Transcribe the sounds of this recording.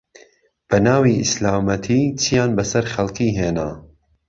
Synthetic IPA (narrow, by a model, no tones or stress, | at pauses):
b̥ɐnaːwiʔɪslaːmɐt̪ʰiːt͡ʃʰijaːnbɐsɐɾχɐlˠqiːɦeːna̰ː